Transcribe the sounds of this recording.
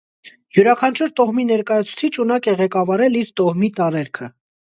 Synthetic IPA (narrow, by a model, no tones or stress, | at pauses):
juɾɑkʰɑnt͡ʃʰuɾt̪ɔʁminɛɾkɑjɑt͡sʰu̥t͡sʰit͡ʃʰunɑkɛʁɛkɑvɑɾɛliɾt̪ɔʁmit̪ɑɾɛɾkʰə